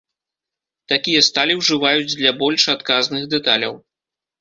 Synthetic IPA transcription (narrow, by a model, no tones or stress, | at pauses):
t̪akʲijɐst̪alʲiwʐɨvajud͡zʲd̪lʲɐbɔlʲʂat̪kaznɨɣd̪ɛt̪alʲɐw